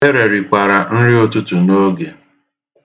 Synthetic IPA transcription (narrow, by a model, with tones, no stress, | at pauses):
e˦ɾe˨ɾi˨kʷa˨ɾa˨n̩˦ɾɪ˦o˦tʊ˦tu˨no˦ɡe˨